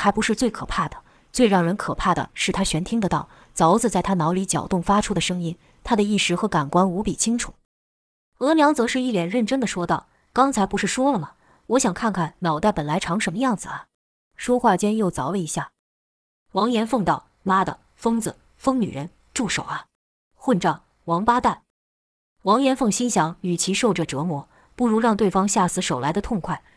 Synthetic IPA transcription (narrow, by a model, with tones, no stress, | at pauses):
xa˧˥ɪpu˧˥ʂɻ̩˥˧t͡swe˥˩ɪkʰɤ˨˩pʰa˥˩d̪ə˩ | t͡swe˥˧ɪɻɑ˥˩ŋɻə˧˥nkʰɤ˨˩pʰa˥˩d̪ə̰˩ʂɻ̩˥˩t̪ʰa˥ɕɥɛ˧˥nt̪ʰi˥ŋd̪ə˨t̪ɑ˥˩ʊ | t͡sɑ˧˥ʊt͡sɹ̩˧t͡sa˥˩ɪt̪ʰa˥nɑ˧˥ʊli˧˥t͡ɕjɑ̰˨˩ʊt̪ʊ˥˩ŋfa˥ʈ͡ʂʰu˥d̪ə˨ʂɤ˥ŋi˥n | t̪ʰa˥d̪ə˨i˥˩ʂɻ̩˧˥˩xɤ˧˥ka˨˩nkwa˥nu˧˥pi˨˩t͡ɕʰi˥ŋʈ͡ʂʰu˨˩˦ | ɤ˧˥ljɑ˧˥ŋt͡sɤ˧˥ʂɻ̩˥˧i˥˩ljɛ˨˩nɻə˥˩nʈ͡ʂə˥d̪ə˨ʂwɔ˥t̪ɑ˥˩ʊ | kɑ˥ŋt͡sʰa˧˥ɪpu˧˥ʂɻ̩˥˩ʂwɔ˥lə˨˩lə˩ | wɔ˧˥ɕjɑ˨˩ŋkʰa˥˩nkʰa˥˩nnɑ˨˩ʊt̪a˥˩ɪpə˨˩nla˧˥ɪʈ͡ʂʰɑ˧˥ŋʂə˧˥mə˧jɑ˥˩ŋd͡zɹ̩˩ɐ˩ | ʂwɔ˥xwa˥˩t͡ɕjɛ˥njo˥˩ʊt͡sɑ˧˥ʊə˧i˧˥ɕja˥˩ | wɑ˧˥ŋjɛ˧˥nfɤ˥˧ŋt̪ɑ˥˩ʊ | la˥d̪ə̰˨ | fɤ˥ŋd͡zɹ̩˩ | fɤ˥ŋny̰˨˩ɻə˧˥n | ʈ͡ʂu˥˩ʂo˨˩ʊɐ˧˦ | xwə˥˧nʈ͡ʂɑ˥˩ŋ | wɑ˧˥ŋpa˥t̪a˥˩n | wɑ˧˥ŋjɛ˧˥nfɤ˥˩ŋɕi˥nɕjɑ˧˥ŋy˨˩t͡ɕʰi˧˥ʂo˥˩ʊʈ͡ʂə˨˩ʈ͡ʂɤ˧˥mwɔ˧˥ | pu˥˩ɻu˧˥ɻɑ˥˧ŋt̪we˥˩ɪfɑ˥ŋɕja˥˩sɹ̩˧˥ʂo˨˩ʊla˧˥ɪd̪ə˧t̪ʰʊ˥˧ŋkʰwa˥˩ɪ